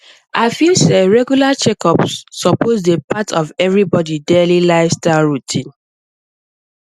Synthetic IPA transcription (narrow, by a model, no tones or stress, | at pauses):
ʔaɪfilseɹɛɡjulat͡ʃɛkɔpsːɔpoz̬depatʰɔvɛvɹibɔdidelilaɪstaɹutʰĩn